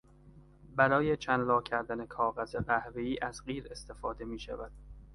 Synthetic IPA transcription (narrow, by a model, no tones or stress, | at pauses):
bæɾɒːje̞t͡ʃʰænlɒːcʰæɾd̪æne̞kʰɒːɣæzeɢæhveiːʔæzɢiːɾe̞st̪ʰe̞fɒːd̪e̞miːʃæ̰væd̪̥